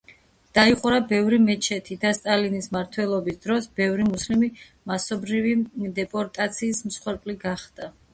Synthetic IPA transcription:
d̪̥aiqʼuɾabɛvɾimɛt͡ʃʰɛt̪ʰid̪ast̪ʼalinismaɾt̪ʰwɛlˠɔbisd̪ɾɔsbɛvɾimuslimi | masɔbɾivid̪ɛpʼɔɾt̪ʼat̪sʰiːsmsχwɛɾpʼliɡaχd̪̥a

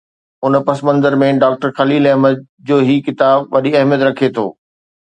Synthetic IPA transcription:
ʊnpɐsmə̃nd̪əɾmẽɖaːk̚ʈəɾxɐliːlɐɦməd̪̚ | d͡ʑoːɦikɪt̪aːbʋɐɗiɐɦmjət̪ɾɐkʰet̪ʰo̰ː

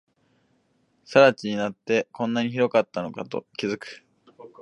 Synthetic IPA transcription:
saɾat͡ɕiɲ̟inat̪ːe̞kõ̞nːaɲ̟içiɾo̞kat̪ːano̞kat̪o̞̰kʲizɨkɯ̥

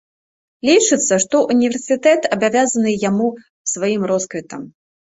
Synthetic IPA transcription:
lʲit͡ʂɨt̪sːɐʂt̪ɔʔunʲivʲɛrsɨt̪ɛt̪ɐbavʲazɐnɨjamu | svajimrɔskvʲit̪ɐm

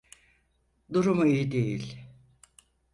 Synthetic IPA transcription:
d̪uɾumuijid̪ejilʲ

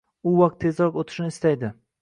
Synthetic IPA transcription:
ʊwɑq̚t̪ʰːe̞zɾɒkot̪ʰɪ̥ʃnɪɪst̪ajd̪ɪ

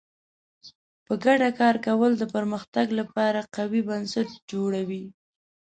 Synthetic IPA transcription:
pəɡaɖakɑɾkawəld̪əpəɾməxt̪aɡlapɑɾaqawibansat̪̚d͡ʒoɽawi

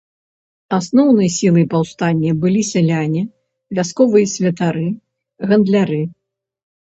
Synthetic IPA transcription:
asnɔwnɨjɐsʲilˠɨjpawst̪anʲːɛbɨlʲisʲɛlʲanʲɛ | vʲaskɔvɨjɐsʲvʲɐt̪aɾɨ | ɣɐnd̪lʲaɾɨ

